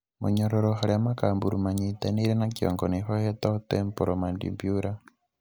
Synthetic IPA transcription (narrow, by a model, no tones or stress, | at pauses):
mṵɲoɾoɾoxaɾiamakaːmbuɾumaɲiteniɾenakjo̰ŋɡonixohetatempoɾʔomandḭmbjuɾa